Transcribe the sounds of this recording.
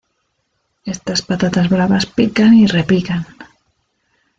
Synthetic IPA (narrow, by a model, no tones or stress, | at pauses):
est̪aspat̪at̪azβɾaβaspikanirepikan